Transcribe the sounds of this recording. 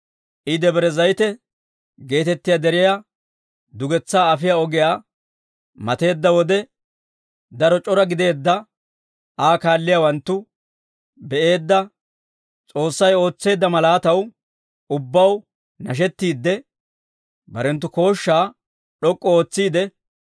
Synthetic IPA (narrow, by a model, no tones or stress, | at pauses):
ʔɪd̪ɛbɛɾɛzɐjt̪ɛ | ɡe̞ːt̪ɛt̪ːɪjad̪ɛɾɪja | d̪ʊɡɛt͡sːaːɐfɪjaːɔɡɛjaː | mɐt̪e̞ːd̪ːɐwɔd̪ɛ | d̪ɐɾɔt͡ʃʼɔɾɐɡɪd̪e̞ːd̪ːɐ | aːkaːlːɪjawɐnt̪ːʊ | bɛʔe̞ːd̪ːɐ | t͡sʼo̞ːsːɐjo̞ːt͡sːe̞ːd̪ːɐmɐlaːt̪ɐw | ʊbːɐw | nɐʃ̬ɛt̪ːiːd̪ːɛ | bɐɾɛnt̪ːʊko̞ːʃːaː | ɗɔkʼːɔoːt͡sːiːd̪ɛ